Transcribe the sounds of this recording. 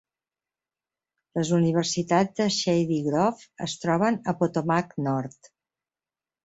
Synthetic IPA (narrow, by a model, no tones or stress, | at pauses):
ləzuniβ̞ərsit̪ad͡zd̪əʃɛjðiɣɾɔfəst̪ɾɔβ̞ənəpot̪omaknɔɾt̪